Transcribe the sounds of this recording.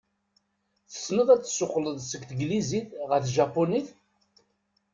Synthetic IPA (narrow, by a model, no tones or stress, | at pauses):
θə̥snəðˤæt͡sːə̥sːʊqːləðˤsəkθɡliziθʁəɾθʒɑpːoniθ